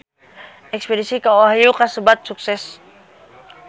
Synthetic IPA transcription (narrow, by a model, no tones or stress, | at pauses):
ɛkspedisikawaɦajuqasəbat̪̚suksɛs